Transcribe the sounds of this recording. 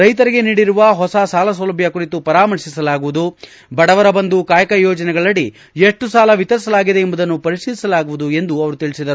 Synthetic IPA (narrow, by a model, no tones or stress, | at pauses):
ɾɐjt̪ɐɾiɡe̞niːɽiɾuʋɐɦɔsɐsaːlɐs̬ɐlɐbʱjɐkuɾit̪upɐɾaːmɐɾʂisɐlaːɡuʋud̪u | bɐɽɐʋɐɾɐbɐnd̪ukaːjɐkɐjɔːd͡ʒɐnɛɡɐɭɐɽi | eʂʈːusaːlɐʋit̪ɐɾisɐlaːɡid̪e̞ːmbud̪ɐnːupɐɾiʂiːlisɐlaːɡuʋud̪ue̞nd̪uɐʋɐɾut̪iɭisid̪ɐɾu